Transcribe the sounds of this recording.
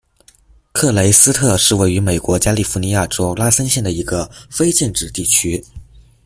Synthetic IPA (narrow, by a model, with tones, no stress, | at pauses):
kʰɤ˥˩le˧˥ɪsɹ̩˥t̪ʰɤ˥˧ʂɻ̩˥˧we˥˩ɪy˧˥me˨˩ɪkwɔ˧˥t͡ɕja˥li˥˩fu˧˥ni˧˥ja˥˩ʈ͡ʂo˥ʊla˥sə˥nɕjɛ˥˩nd̪ə˩i˧˥ɡə˧fe˥ɪt͡ɕɛ˥˧nʈ͡ʂɻ̩˥˧t̪i˥˩t͡ɕʰy˥